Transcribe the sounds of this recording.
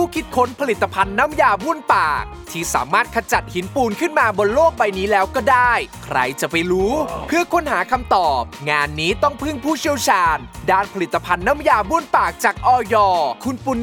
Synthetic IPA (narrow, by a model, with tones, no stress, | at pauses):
pʰuː˥˩kʰi˦˥t̪̚kʰo˦˥npʰa˧li˨˩t̪ːa˧pʰa˧nːa˦˥mjaː˧bu˥˩ənpaː˨˩k̚t̪ʰiː˥˩sa̰ː˩˦maː˥˩t̪̚kʰa˧t͡ɕa˨˩t̪̚hi˩˦npuː˧nkʰɯ˥˩nmaː˧bo˧nloː˥˩k̚wa˧jniː˦˥lɛː˦˥wkɔː˥˩daː˥˩jkʰɾa̰˧jt͡ɕa˨˩pa˧jɾuː˦˥pʰɯ˥˩ɐkʰo˧˥nhaː˩˦kʰa˧mt̪ɔː˨˩p̚ŋaː˧nːiː˦˥t̪ɔ˥˩ŋpʰɯ˥˩ŋpʰuː˥˩t͡ɕʰi˥˩əwt͡ɕʰaː˧ndaː˥˩npʰa˧li˨˩t̪ːa˧pʰa˧nːa˦˥mjaː˧bu˥˩ənpaː˨˩k̚t͡ɕaː˨˩k̚ʔɔː˧jɔː˧˩kʰu˧npu˧n